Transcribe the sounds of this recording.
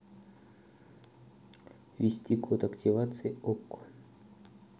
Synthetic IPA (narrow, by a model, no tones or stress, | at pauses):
vʲɪsʲtʲikʰot̪ɐktʲivat̪sɨjokːʊ̥